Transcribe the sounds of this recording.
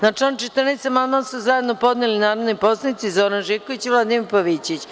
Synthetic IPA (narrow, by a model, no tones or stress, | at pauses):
nat͡ʂant͡ʃet̪rnesemad̪masuzajed̪nopo̞d̪nelinaːɾaʋniposanit̪sizoɾanʒikoʋit͡ɕiʋlˠad̪imiɾpoʋit͡ɕit͡ɕ